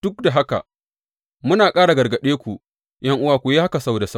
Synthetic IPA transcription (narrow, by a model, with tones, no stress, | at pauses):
d̥ʊ˦k̚da˨ɦa˦ka̰˨ | mʊ˦naː˨kʼaː˦ɽa˨ɡɐ˨rɡɐ˨ɗeː˦kʷu˨ | jʔɐ˦ŋʔʊ˦waː˨kʷu˨je˦ha˦ka˨sa˦wda˨sa˦